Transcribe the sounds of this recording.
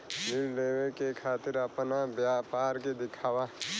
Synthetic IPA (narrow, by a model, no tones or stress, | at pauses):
nɪlɖeːwekekʰaːt̪ɪɾəpnabjapaːɾked̪ɪkʰaːwa